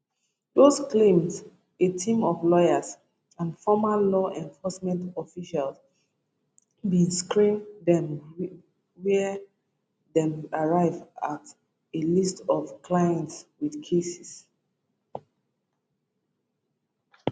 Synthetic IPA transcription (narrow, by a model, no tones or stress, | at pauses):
dosklẽmz | etʰĩmɔvlɔjas | ãnfɔmalɔʔɛ̃ɱfɔsmɛ̃ntɔfiʃals | bĩnskɹĩndɛ̃m | wɛ | dɛ̃maɹaɪvat | elistɔvkʰlajɛ̃ntswidkʰesis